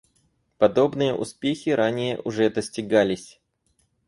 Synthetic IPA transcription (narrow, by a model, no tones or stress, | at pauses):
pɐd̪o̞bnɨjəʔʊ̰spʲexʲɪɾʔanʲɪjəʔʊʐɛd̪əsʲtʲɪɡalʲɪsʲ